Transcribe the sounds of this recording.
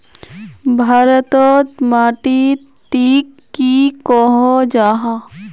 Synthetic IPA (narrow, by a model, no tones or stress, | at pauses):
bʱaːɾət̪ot̪maːʈi | t̪iːk̪ːikoːɦod͡ʒaːɦa